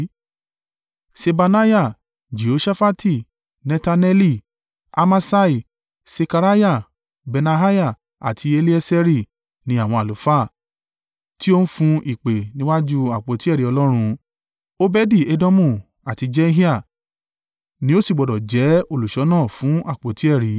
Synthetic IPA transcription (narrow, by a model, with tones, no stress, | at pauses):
se˧ba˧na˦ja˦˨ | d͡ʒi˨o˨˦ʃa˦fa˦tʰi˦˨ | nɛ̃˧ta˧nɛ˦li˦˨ | a̰˧ma˧sa˦i˨ | se˧ka˧ɾa˦ja˦˨ | bɛ˧na˧ɦa˦ja˦˨ | a̰˨tʰi˧e˧li˦ɛ˦sɛ˧ɾi˦˨ | nĩ˨˦a˦˨w̃ɔ̃˧˨a˨lu˨˦fa˦˨ | ti˦o˦n̩˦fũ˧ʔi˨k͡pe˨nĩ˦wa˦d͡ʒu˦a˨k͡po˨˦ti˦ɛ˦˨ɾi˨˦ɔ˧lɔ˦ɾ̃ũ˧ | o˦bɛ˦di˦˨e˧do˦mũ˦˨ | a˨ti˧d͡ʒɛ˦ɦi˦a˦˨ | nĩ˦o˦si˦˨ɡ͡bɔ˨dɔ˨d͡ʒɛ˨˦o˦˨lu˨ʃɔ˨˦nãː˦˨fũ˨˦a˦˨k͡po˨˦ti˨˦ɛ˦˨ɾi˨˦